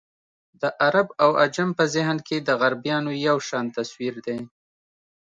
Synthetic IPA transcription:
d̪əʔaɾabawad͡ʒampəzɪɦnked̪əɣaɾbijɑnojawʃɑnt̪aswiɾd̪e

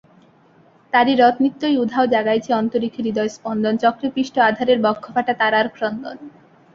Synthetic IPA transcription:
t̪aɾiɾɔt̪nit̪ːojud̪ʱːaod͡ʑaɡajt͡ɕʰeɔnt̪oɾikʰːiɾid̪ɔjspɔnd̪ont͡ɕɔkɾipɾiʃʈoad̪ʱaɾeɾbɔkʰːofaʈat̪aɾaɾkɾont̪on

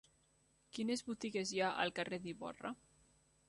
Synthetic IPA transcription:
kinezβut̪iɣezjaʔa̰lˠkareðiβɔ̰ra̰

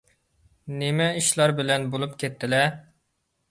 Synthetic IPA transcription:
nemɛiʃlˠɑɾbɪlɛnbolˠupkʲʰet̪ʰːɪlɛ

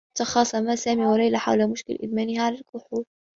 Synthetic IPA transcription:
t̪ɑxɑːsˤɑmasæːmiwalɑjlaħa̰wlamʊʃkɪ̰lʔɪ̰dmæːnɪhʕalalkʊħuːɾ

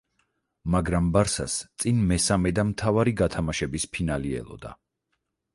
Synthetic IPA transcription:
maɡɾambaɾsa̰st̪sʼinmɛsamɛd̪amt̪ʰavaɾiɡat̪ʰamaʃɛbispʰinaliɛ̰lˠɔ̰d̪a̰

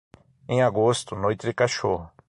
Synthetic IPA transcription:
ẽj̃aɡost̪ʊnojt̪ɪdɪkaʃoɦʊ

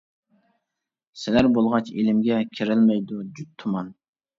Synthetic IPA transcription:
sɪlæɾbolˠʁɑt͡ʃelɪmɡʲɛkʲʰiɾɪlmɛjd̪ud͡ʒyt̪ʰːumɑn

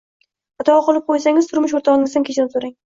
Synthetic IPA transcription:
at̪ʰɒɒqʰolˠɪp̚qʰojsaŋʲɪzt̪ʰʊɾmʊʃ̬oɾt̪ʰaʁɒnɪŋɪzd̪amkʲet͡ʃʰɪɾɪpsoɾaŋ

